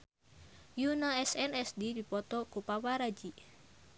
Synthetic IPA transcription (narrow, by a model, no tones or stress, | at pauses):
junaɛsɛnɛsdidipɔt̪ɔkupawaɾad͡ʒi